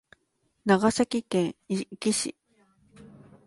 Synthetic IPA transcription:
nãɣasakikẽiʔkiʃḭ

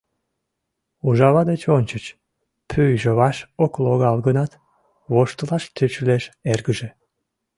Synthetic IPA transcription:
uʒɑβɑd̪et͡ɕonʲt͡ɕət͡ɕ | pʰyjʒəβɑʃokloɣɑlɣənɑt̪ | βoʃt̪əlɑʃt̪yt͡ɕleʃerɡəʒe

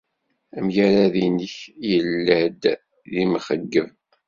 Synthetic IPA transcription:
əmjaɾaðiniçjəlːəhd̪ | ðimχəɡːəv

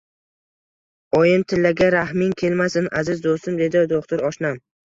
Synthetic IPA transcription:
ɒjɪnt̪ʰɪlːaɡʲaɾahmɪŋkʲʰe̞lmasɪnʔazɪzd̪ost̪ɪmd̪e̞d̪ɪd̪oχt̪ʊɾɒʃnam

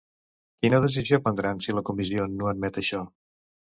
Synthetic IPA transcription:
kinəðəs̬izijopənd̪ɾansiləkumizionoəd̪̚mɛt̪əʃɔ

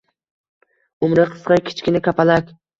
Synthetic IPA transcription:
ʊmɾɪqʰɨ̥sqɑnkʲʰɪ̥t͡ʃkʲɪnɪkʲʰapʰalakʲ

